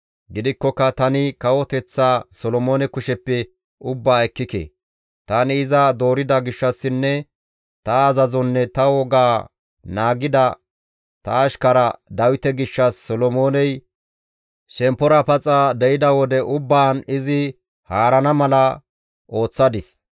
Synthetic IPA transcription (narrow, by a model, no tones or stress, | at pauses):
ɡɪd̪ɪkːɔkːɐt̪ɐnɪkɐwɔt̪ɛt͡sːaːsɔlɔmo̞ːnɛkʊʃɛpːɛ | ʊbːaːɛkːɪkḛ | t̪ɐnɪɪzɐd̪o̞ːɾɪd̪ɐɡɪʃːɐsːɪnːɛ | t̪ɐːzɐzɔnːɛt̪ɐwɔɡaː | naːɡɪd̪ɐ | t̪ɐːʃkɐɾɐd̪ɐwɪt̪ɛɡɪʃːɐsːɔlɔmo̞ːnɛj | ʃɛmpːɔɾɐpɐt͡sʼad̪ɛjɪd̪ɐwɔd̪ɛʔʊbːaːnɪzɪ | haːɾɐnɐmɐlɐ | ʔo̞ːt͡sːɐd̪ɪs